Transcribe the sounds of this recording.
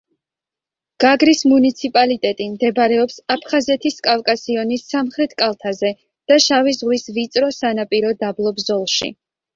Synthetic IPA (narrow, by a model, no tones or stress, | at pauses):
ɡ̥aɡɾismunit̪sʰipʼalit̪ʼɛt̪ʼimd̪ɛbɾɛɔpsapʰχazɛt̪ʰiskʼafkʼasiɔnisːamχɾɛt̪ʰkʼalˠt̪ʰazɛ | d̪̥aʃavizʁwisvit̪sʼɾɔsanapʼiɾɔd̪ablˠɔbzɔlˠʃḭ